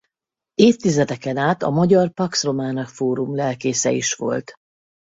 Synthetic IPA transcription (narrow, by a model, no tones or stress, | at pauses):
eːft̪ːizɛd̪ɛkɛnaːt̪ɒ̰mɒɟɒrpɒksro̞maːnɒkfoːɾumlɛlkeːsɛ̰ḭʃʋo̞̰lt̪